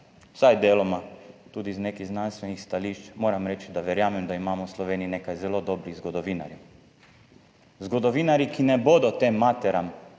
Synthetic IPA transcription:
sajd̪eːlɔmat̪uːd̪izneːkiznanst̪ʋenixst̪aliːʃt͡ʃmoːɾamɾɛːt͡ʃid̪aʋɛɾjaːmɛmd̪aimaːmoslɔʋeːniinekajzɛlod̪obɾiɣzɡod̪ɔʋiːna̰ɾjɛ | zɡod̪ɔʋiːnaɾjikinɛbod̪ɔt̪eːmːat̪ɛɾam

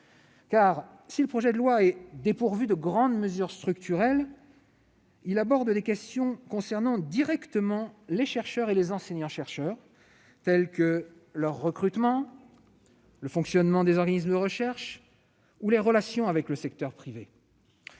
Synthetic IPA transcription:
kaːʁ | siləpχɔʒɛd̪əlwaɛd̪epuʁvyd̪əɡʁɑ̃d̪məzyʁst̪χykt̪ʰyʁɛl | ilabɔʁd̪d̪ekʲɛst̪jɔ̃kɔ̃sɛʁnɑ̃d̪iʁɛkt̪əmɑ̃leʃɛʁʃœʁelezɑ̃seɲɑ̃ʃɛʁʃœːʁ | t̪ɛlkəlœʁːəkχyt̪mɑ̃ | ləfɔ̃ksjɔnmɑ̃d̪ezɔʁɡanisməd̪əʁəʃɛʁʃ | uleʁəlasjɔ̃avɛkləsɛk̚t̪œʁpχive

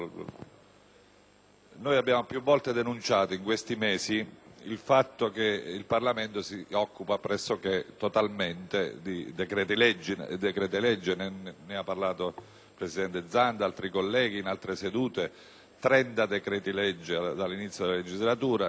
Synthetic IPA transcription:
nojabːjaːmopjuvːɔlt̪ed̪enunt͡ʃaːt̪oiŋkwest̪imɛːsiilfat̪ːok̟eilparlament̪osiɔkːupapɾɛsːok̟et̪ːot̪alment̪ed̪id̪ekɾɛːt̪ilɛd͡ʒːd̪ekɾɛːt̪ilɛd͡ʒːenennɪapːarlaːt̪o | pɾesid̪ɛnt̪ed̪zːand̪alt̪ɾikolːɛːɡ̟iːnalt̪ɾesed̪uːt̪e | t̪ɾɛnt̪ad̪ekɾɛːt̪ilɛd͡ʒːed̪alːinit̪sjod̪elaled͡ʒizlat̪uːɾa

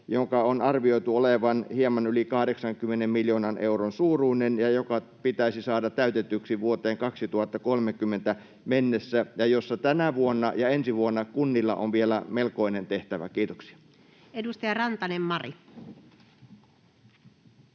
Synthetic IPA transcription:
joŋkɑonɑrʋioit̪uoleʋɑnhiemːˑɑnylikɑhdeksɑŋkymːˑenemmiljoːnɑnʔeuronsuːruːnenjɑjokɑpit̪æisisɑːdɑt̪t̪æyt̪et̪yksiʋuot̪eːŋkɑksit̪uhɑt̪ːɑkolmekymːent̪æ | menːesːæjɑjosːɑt̪ænæʋuonːɑjɑensiʋuonːɑkunːilːɑ̰ʔo̰ʋʋielæmelkoinent̪eht̪æʋæ̰kiːt̪oksi̥ɑ̥ | edust̪ɑjɑrɑnt̪ɑnemːɑri

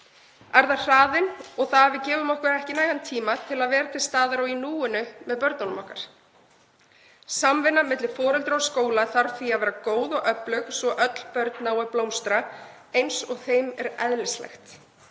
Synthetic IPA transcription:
aɾðḁr̥aːðɪnɔɣθaavɪðcɛːvʏmɔhkvɛɾɛhcɪnaːjɣant̪ʰiːmat̪ʰɪlaðvɛːɾat̪ʰɪlst̪aːðaɾawinuːʏnʏmɛðpœɾt̪nanʏmɔhkaɾ̥ | samvɪnːamɪt̪lɪ̥fɔːɾɛlt̪ɾɔskoːwlaθaɾ̥θiaðvɛːɾakoːwðɔɣœplœxsvɔʔœt̪l̥pœɾt̪nawɛɾplowmst̪ɾa | ejnsɔɣθejmɛɾɛ̰ðlɪslɛ̰xt̪

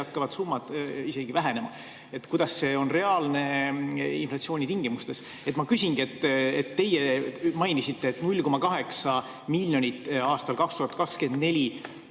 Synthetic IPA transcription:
ɑkːɑvɑd̪sumːɑd̪̥ise̞ɡ̥ivæɦenemɑ | e̞t̪kujd̪̥ɑsːe̞o̞nre̞ɑːlne̞ | ḭnflɑtsio̞ːnʲit̪iŋɡimust̪e̞s | e̞t̪ːˑmɑkysʲiŋɡ̥ie̞t̪ːet̪ːe̞jemɑjnisit̪ːe̞ːt̪ːnulʲko̞mɑkɑɦe̞ksɑ | milʲjo̞nʲit̪ːˑɑːst̪ɑlkɑkst̪uhɑt̪̚ːˑkɑkske̞nd̪ne̞lʲi

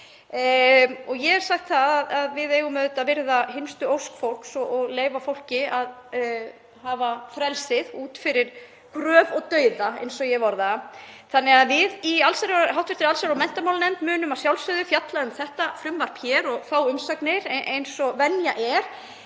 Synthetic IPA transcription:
ɔɣjɛɣɛɾ̥saxt̪θaðaðaðvɪðeːjɣʏmʏðʏt̪aðvɪɾðaɦɪnst̪ʏowskfowl̥ksɔɔɣleːjvafowl̥cɪað | havafɾɛlsɪðuːt̪fɪɾɪɾ̥ | kɾœːvɔɣt̪œːɥðaḛjnsɔjɛvɔɾðaθanːɛɣaðvɪðialsaɾɦawt̪vɪ̥ɾt̪ɪɾalsaɾawmɛn̥t̪amawlnɛmt̪mʏːnʏmaðsjawlsœðʏfjat̪laðʏmθɛht̪afɾʏmvaɾ̥pʰjɛːɾɔɣθaːwʏmsaknɪɾʔejnsɔvɛnjaʔɛɾ̥

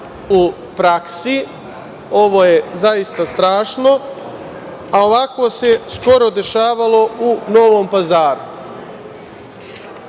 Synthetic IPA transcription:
u | pɾaksi | o̞ʋo̞ːje̞zaist̪ast̪ɾaːʃno̞ | ao̞ʋakoːse̞sko̞ɾo̞d̪e̞ʃaːʋalo̞uno̞ʋoːmpazaːɾu

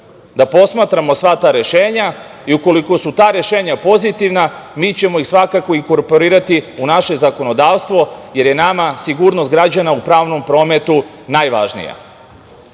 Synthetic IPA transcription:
d̪apo̞smaːt̪ɾamosʋat̪aːɾe̞ʃeːɲa | iuko̞liko̞sut̪aːɾe̞ʃe̞ːɲapo̞zit̪iʋna | miːt͡ɕe̞mojixsʋakako̞iŋko̞ɾpo̞ɾiːɾat̪iunaʃezako̞no̞d̪aːʋst̪ʋo̞je̞ɾje̞namasiɡuːɾno̞st̪̚ɡɾad͡ʑanaupɾaːʋno̞mpɾo̞ːme̞t̪u | naːjʋa̰ʒnḭja̰

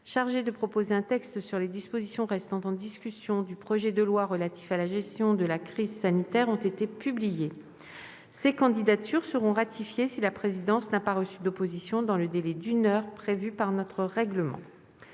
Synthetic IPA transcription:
ʃaʁʒed̪əpχɔpozeɛ̃t̪ɛkst̪syʁled̪ispozisjɔ̃ʁɛst̪ɑ̃t̪ɑ̃d̪iskʲysjɔ̃d̪ypχɔʒɛd̪əlwaʁəlat̪i̥falaʒɛst̪jɔ̃d̪əlakχizsanit̪ɛʁɔ̃t̪et̪epyblije | sekɑ̃d̪id̪at̪yʁsəʁɔ̃ʁat̪ʰifjesilapχezid̪ɑ̃snapaʁəsyd̪opozisjɔ̃d̪ɑ̃ləd̪elɛd̪ynœʁpχevypaʁnɔt̪χəʁɛɡləmɑ̰̃

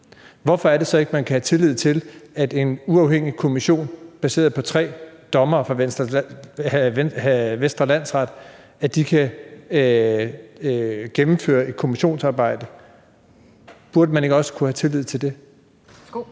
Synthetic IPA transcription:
ʋɒfɒ̽æɐɾe̝sɒ̽e̝ɡ̥əmænkʰæhæt͡sʰe̝lið̞̰ˠt͡sʰe̝læd̥e̝nuɑ̈ʊheŋ̰ikʰo̝miɕo̝̰ːnb̥æse̝̰ːɐðˠpʰɒ̽t͡sʰʁɛ̰ːd̥ɒ̽mɐːfʁɑ̈en | ʋensd̥ʁɐlæn̰sʁɑ̈d̥ | æd̥ikʰæ | ɡ̥emm̩fø̰ːɐe̝d̥̚kʰo̝miɕo̝̰ːnsɑ̈ːb̥ɑ̈ɪ̰d̥ə | b̥uɐd̥əmæne̝ɡ̥əɒ̽sə̥kʰuhæt͡sʰe̝lið̞̰ˠt͡sʰe̝ld̥e̝

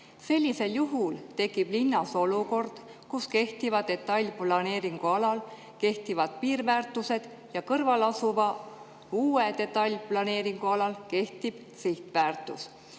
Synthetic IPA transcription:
se̞lʲːise̞ljuɦult̪e̞kːˑib̥linːɑso̞luko̞rd̪̥ | kuske̞ht̪ivɑd̪e̞t̪ˑːɑlʲːplɑne̞ːɾiŋɡ̥uɑlɑl | ke̞ht̪ivɑd̪̥̚piːrvæːrt̪ːˑuse̞d̪̥ | jɑkɤrvɑlɑsuvɑ | uːe̞t̪e̞t̪ˑːɑlʲplɑne̞ːɾiŋɡ̥uɑlɑlke̞ht̪ib̥ | siht̪væːrt̪ːˑus

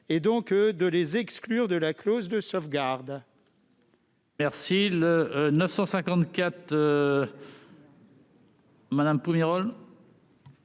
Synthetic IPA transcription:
ed̪ɔ̃kd̪əlezɛksklyʁd̪əlaklozd̪əsɔfɡaʁd̪ | mɛʁsilənəfsɑ̃sɛ̃kɑ̃t̪kʲat̪ø | mad̪ampumiʁɔl

